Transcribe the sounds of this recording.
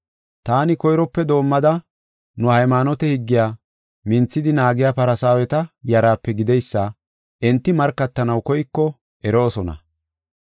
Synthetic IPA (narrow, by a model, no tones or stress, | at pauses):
t̪aːnɪkɔjɾɔpːɛd̪o̞ːmːɐd̪ɐ | nʊhɐjmanɔt̪ɛhɪɡːɪjaː | mɪnt͡sːɪd̪ɪnaːɡɪjaːpɐɾɐsaːwɛt̪ɐjɐɾaːpːɛɡɪd̪ɛjsːɐ | ʔɛnt̪ːɪmɐɾkːɐt̪ːɐnɐwkɔjkːɔ | ɛɾo̞ːsɔnɐ̰